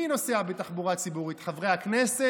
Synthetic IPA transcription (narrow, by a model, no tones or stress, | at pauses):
ino̞seabet̪aχbuʁat͡sibuʁit̪χavʁeaknese